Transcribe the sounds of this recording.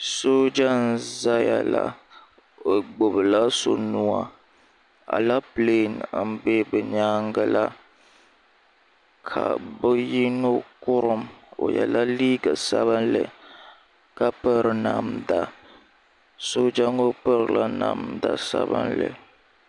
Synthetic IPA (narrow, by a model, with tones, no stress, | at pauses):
so˦d͡ʒa˦n̩˦˨za˦ja˨la˦ | o˨ɡ͡bo˨bɨ˨la˦so˨nu˦a˦ | a̰˨la˦ple˦˨n̩˦be˦bɨ˨ɲaː˦ŋɡa˦la˦ | kʰa˨bɨ˦ji˦no˦kʊ˦ɾɨ˦mo̰˨jɛ̰˨la˦liː˦ɡa˨sa˦βa˦nlɨ̰˨ | ka˦pə˦ɾɨ˨na˨mda˨ | so˦d͡ʒa˦ŋo˦pɨ˦ɾɨ˨la˦na˨mda˨sa̰˦bɨ̰˦nlɨ̰˨